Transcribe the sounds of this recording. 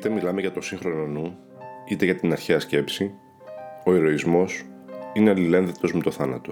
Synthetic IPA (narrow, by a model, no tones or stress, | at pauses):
it̪emilɐmeʝɐt̪o̞siŋxɾo̞nonu | it̪e̞ʝɐt̪inɐɾçeɐsce̞psi | o̞e̞ɾo̞izmo̞sineɐlile̞nðet̪o̞zme̞t̪o̞θɐnɐt̪o̞